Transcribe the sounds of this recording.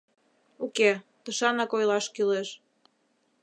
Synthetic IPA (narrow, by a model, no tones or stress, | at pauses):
uket̪əʃɑnɑkojlɑʃkyleʃ